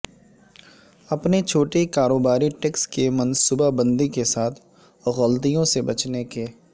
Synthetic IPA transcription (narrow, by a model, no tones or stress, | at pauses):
ɐpnet͡ʃʰoːʈekaːɾoːbaːɾiʈekskemɐnsuːbabə̃nd̪ikesaːt̪ʰ | ɣɔlt̪ijõsebɐt͡ʃnekeː